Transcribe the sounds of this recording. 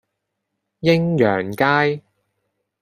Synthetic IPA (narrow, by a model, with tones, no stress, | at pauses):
jɪ˥ŋjœː˨˩ŋkaː˥j